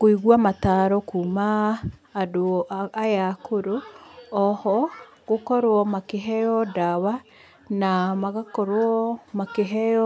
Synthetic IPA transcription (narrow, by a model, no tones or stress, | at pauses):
ɣoiɣwamataɾɔkumaː | doajakʰoɾoɔhɔ | ɣokɔɾoɔmakeɦɛjɔdawa | namaɣakɔɾoɔmakeɦɛɔ